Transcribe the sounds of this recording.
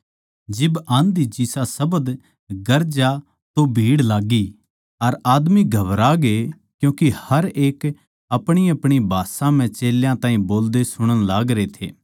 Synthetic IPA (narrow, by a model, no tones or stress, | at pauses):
d͡ʒɪbãːnd̪it͡ʃisasɐbəd̪ | ɡɐɾd͡ʒa | t̪obʱiːɽlaːɡi | ɐɾaːd̪miɡʱɐʋɾaɡe | kjũːkihɐɾeːk | ɐpɽ̃iɐpɽ̃ibʱaːsãm̤ɛ̃t͡ʃeːljãt̪ãːĩboːld̪esʊɽ̃əñlaːɡɾet̪ʰḛː